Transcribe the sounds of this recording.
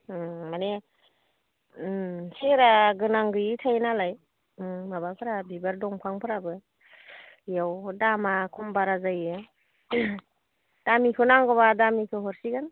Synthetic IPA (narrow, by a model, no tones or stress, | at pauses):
mane | seɾaɡɯnaŋɡɯjitʰajnalaj | mabapʰɯɾabibaɾdɔŋpʰaŋpʰɯɾabɯ | jawdamakʰɔmbaɾazajɯ | d̥amikʰɯnaŋɡɔβadamikʰɯɦɔɾsiɡan